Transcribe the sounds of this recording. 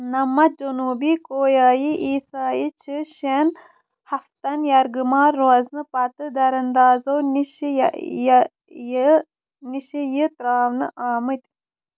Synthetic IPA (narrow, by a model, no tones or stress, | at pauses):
nɐmːɐd͡ʒɐnuːbikoːjaːjiʔiːsaːjit͡ʃʰɨʃen | hɐft̪ɐnjɐɾɡɨmaːɾːoɐznɨpɐt̪ɨd̪ɐɾɐnd̪aːzowniʃij | j | niʃijit̪ɾaːwnɨʔaːmɨt̪ʲ